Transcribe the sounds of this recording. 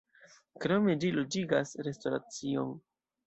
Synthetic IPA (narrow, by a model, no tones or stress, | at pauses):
kɾo̞me̞d͡ʒilod͡ʒiɡasɾe̞stoɾa̰t͡sio̞̰n